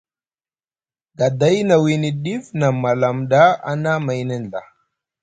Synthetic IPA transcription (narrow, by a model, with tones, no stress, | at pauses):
ɡa˨da˦jna˨wi˨ni˨ɗi˦fna˨ma˨la˨mɗa˦a̰˦na˦ma˨jnə˦n˨da̰˨